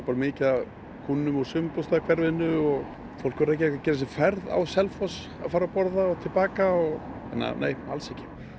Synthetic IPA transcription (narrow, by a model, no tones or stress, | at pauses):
paːɾmɪːca | kʰunːʏmɔsʏmpɔst̪akʰvɛɾvɪnːʏɔɣ | fowl̥kvʏɾɛhcɪɛhkacɛːɾɪs̬ɪfɛɾða̰wsɛlfɔs | a̰ðfaːɾapɔɾðaɔt̪ʰɪlpaːkaɔɣ | ɛ̰nːa̰nḛːja̰lsɛhcɪ̥